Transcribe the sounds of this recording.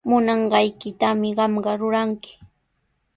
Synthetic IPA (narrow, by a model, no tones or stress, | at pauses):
mʊnɑɴɢɑjkɪt̪amɪɢɑmɢɑɾʊɾaŋkɪ̥